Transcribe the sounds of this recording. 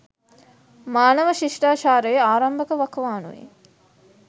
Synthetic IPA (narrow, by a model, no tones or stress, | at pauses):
maːnɐʋəʃiʂʈaːʃaːɾejeaːɾɐmbɐkəʋakʋaːnṵʋḭ